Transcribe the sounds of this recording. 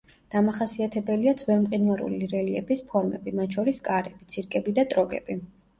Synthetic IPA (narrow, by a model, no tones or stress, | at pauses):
d̪̥amaχasiat̪ʰɛbɛliad̪zwɛlˠmqʼinaɾṵliɾɛliɛbispʰɔɾmɛ̰bimat̪̚ʃʰɔɾiskʼaɾɛb̥it̪sʰiɾkʼɛbid̪at̪ʼɾɔɡɛ̰bi